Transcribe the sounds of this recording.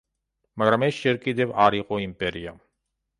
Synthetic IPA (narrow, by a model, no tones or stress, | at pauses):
mɐɡɐɾmeʃeɾkid̪eʋaːɾiqoimpeɾijam